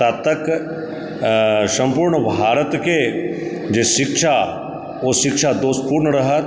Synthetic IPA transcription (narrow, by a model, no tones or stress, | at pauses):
at̪ːək | sɐ̃mpuːɾɳəbʱaːɾət̪ke | d͡ʒeːʃɪkʃa | oʃɪkʃad̪oːst̪̚puːɾnəɾɐɦə